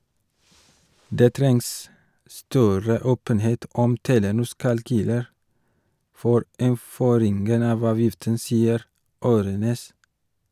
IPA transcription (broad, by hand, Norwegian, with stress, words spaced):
ˈdeː ˈtɾɛŋs ˈstœɾə ˈoːpənˌheːt ˈɔm ˈteːlənʊs kɑlˈkyːləɾ ˈfoːɾ ɪnˈføːɾɪŋɡən ˈɑʋ ˈɑːʋjɪftən ˈsiːəɾ ˈoːɾøːˌneːs